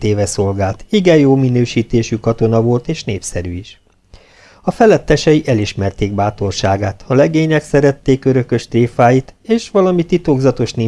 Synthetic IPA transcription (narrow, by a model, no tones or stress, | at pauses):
eːvɛso̞lɡaːlt̪iɡɛjjoːminøːʃiːt̪eːʃykɒt̪o̞nɒvo̞lt̪eːʃneːpsɛɾyiʃ | ɒfɛlɛt̪ːɛʃɛjiʔɛliʃmɛrt̪eːɡ̚baːt̪o̞rʃaːɡaːt̪ɒlɛɡeːɲɛksɛɾɛt̪ːeːkøɾø̞kø̞ʃt̪reːfaːjit̪eːʃʋɒlɒmit̪ːit̪oɡzɒt̪o̞ʃneː